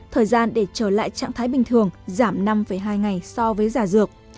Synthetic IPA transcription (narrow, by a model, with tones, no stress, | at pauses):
t̪ʰəː˨˩jzaː˧nɗe˧˩t͡ɕəː˧˩la̰ː˧˨jt͡ɕa̰ː˧˨ŋt̪ʰaː˨˦jɓï˨˩ŋ̟t̪ʰɨ˨˩əŋzaː˧˩mna˧mfə˧˩jɦaː˧jŋa˨˩jsɔ˧vəː˨˦jzaː˧˩zɨ˨˩ək̚